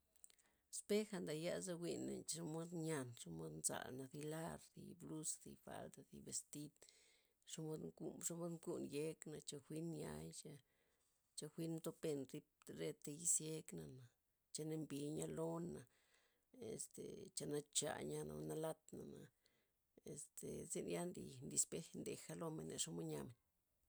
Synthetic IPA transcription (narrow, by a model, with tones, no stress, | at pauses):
spe˦xa˧nd̪a˨ja̰˦za˦wʷi˧nːḛ˨n˦a˦mo˦d̪ɲa˧nʂa˦mo˦d̪nza̰˨lna˨d̪i˧la˦ɾd̪ḭ˨blu˦sd̪ḭ˨fa̰˧ld̪a˨d̪ḭ˨be˨st̪i˦d̪ | ʂa˦mo˦d̪ŋkṵ˦ʂa˦mo˦d̪ku˦nje˦kna˨t͡ʃa˧xʷi˦nja̰˦jt͡ʃa˧ | t͡ʃa˧xʷi˦nmt̪o˦pe˧nɾi˦p̚ɾe˦t̪e˧ji˦sje˧˦kna˨na˨ | t͡ʃa˧ne˧mbi˧ɲa˦lo˦na˨ | ḛ˨st̪ḛ˨t͡ʃa˧na˦t͡ʃa̰˧˨ɲa˧na̰˨˧na˧la˦t̪na˨na˨ | e˨st̪e˨ze˧nja˦nd̪ḭ˨nd̪i˧spe˦nd̪e˨xa˦lo˧me˨nːḛ˨ʂo˦mo˦ɲa˧me˨n